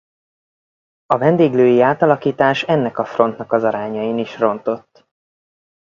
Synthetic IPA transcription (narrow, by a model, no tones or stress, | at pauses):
ɒvɛnd̪eːɡløːjiaːt̪ɒlɒkiːt̪aːʃɛnːɛkɒfro̞nt̪nɒkɒzɒɾaːɲɒjiniʃro̞nt̪o̞t̪ː